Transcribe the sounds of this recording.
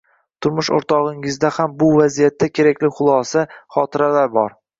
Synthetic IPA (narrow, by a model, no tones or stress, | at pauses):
t̪ʰʊɾmʊʃo̰ɾt̪ʰɒʁɪŋɪzd̪ahambʊvazijat̪ʰːakʲʰe̞ɾakʲlɪχʊlˠɒsaχɒt̪ʰɪɾalaɾbɒɾ